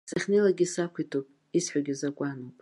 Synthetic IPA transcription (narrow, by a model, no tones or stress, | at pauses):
saχʲnelaɡʲisakʷʰitʰupʼ | isħʷᶣaɡʲizakʷʼanowpʼ